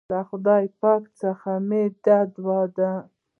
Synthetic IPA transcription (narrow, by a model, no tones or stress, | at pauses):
laxʊd̪ɑjpɑkt͡səxamed̪ad̪wɑd̪a